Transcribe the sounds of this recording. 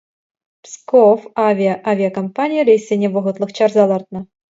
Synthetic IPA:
pskofɑvʲiaʔavʲijakompanʲijəɾʲejsʲenʲeʋɤ̆ʁɤ̆t̪lˠɤ̆χt͡ɕɑrzɑlˠɑrt̪̚nɤ̆

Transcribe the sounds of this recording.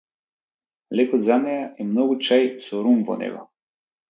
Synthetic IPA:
lɛkɔd̪zanɛjaʔɛmnɔɡut͡ʃajsɔɾumvɔ̰nɛ̰ɡɔ̰

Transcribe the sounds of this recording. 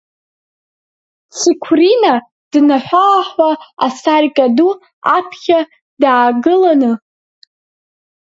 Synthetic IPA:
t͡sʰikʷʰrina | d̥naħʷaħʷaasarkʼadu | apʰχʲa | daːɡɨlanɨ

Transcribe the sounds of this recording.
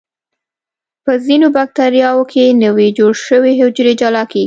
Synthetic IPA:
pəzinobak̚t̪aɾjɑwokʰenəwed͡ʒoɽʃəweɦʊd͡ʒɾed͡ʒɑlɑkeɡi

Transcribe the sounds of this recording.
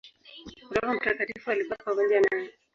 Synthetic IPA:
kuɾɔɣam̩takatifualiɓapamɔɲd͡ʒanajɛ

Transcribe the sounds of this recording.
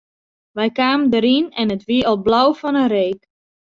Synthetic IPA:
ʋɛjkaːməndəɾinɛnətʋiəʔɔlˠblawfɔnəreːk

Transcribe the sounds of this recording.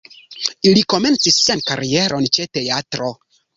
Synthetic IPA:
iliko̞me̞nt͡sisːenkaɾie̞ɾʔo̞nt͡ʃe̞te̞atɾo

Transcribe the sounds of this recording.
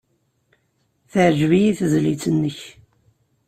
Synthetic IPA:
θəʕʒvijiθzlit͡sənːəç

